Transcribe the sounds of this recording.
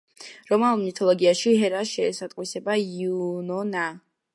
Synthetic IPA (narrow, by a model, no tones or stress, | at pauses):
ɾɔmalˠmit̪ʰɔlˠɔɡiaʃiɦɛɾaʃɛːsat̪ʼqʼwisɛbaiunɔna